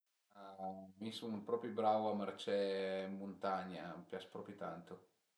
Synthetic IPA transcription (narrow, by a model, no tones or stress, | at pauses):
amisunpɾɔpɾjibɾawoamart͡ʃɛmmont̪aɲːapjat͡ʃpɾɔːpɾjit̪a̰nt̪o